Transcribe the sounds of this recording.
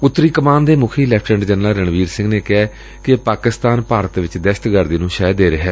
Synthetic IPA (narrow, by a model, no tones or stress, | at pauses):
ʊt̪ːɾiːkəmaːnd̪eːmʊkʰiːlɛːk̚ʰʈə̃ɳɖd͡ʒɛnlaːɾəɳʋiːɾsɪ̃ŋɡneːkɪɛː | kɪpaːkɪst̪aːnpaːɾət̪ʋɪt͡ʃd̪eʃt̪ɡəɾd̪iːnũːʃɛːd̪eːɾɪɦɛː